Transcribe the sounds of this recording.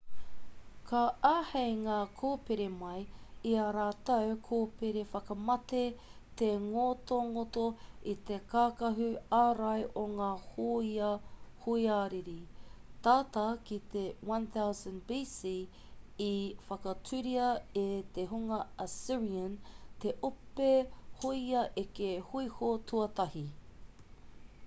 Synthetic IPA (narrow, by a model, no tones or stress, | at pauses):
kʰɐaːhejŋaːkʰoːpeɾemɐjiɐɾaːt̪ɐwkʰoːpeɾefɐkɐmɐt̪et̪eŋot̪oŋot̪oit̪ekaːkɐɦʉaɾɐjʔoŋaːhoiɐhuiaːɾiɾit̪aːt̪ɐkit̪ewɐ̃nθawzɐ̃nbiːsiː | ifɐkɐtʰuɾiɐet̪eɦuŋɐɐsiɹiɐnt̪eʔopehoiɐʔekehuihotʰuɐt̪ɐhi